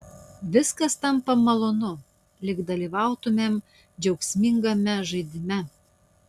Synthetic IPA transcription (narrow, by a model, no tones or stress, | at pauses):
ʋʲɪskɐst̪ɐmpɐmɐlˠonʊ | lʲɪkd̪ɐlʲiʋɑʊt̪ʊmʲem | d͡ʒʲɛʊksʲmʲiŋɡɐmʲɛʒɐɪd̪ʲɪmʲɛ